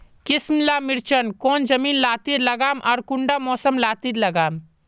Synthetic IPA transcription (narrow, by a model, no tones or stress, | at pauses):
kɪsmlaːmɪɾt͡ʃənkɔːnd͡ʒɐmiːnlaːt̪iːɾlɐɡaːmʔɔːɾkʊɳɖamɔːsəmlaːt̪iːɾlɐɡaːm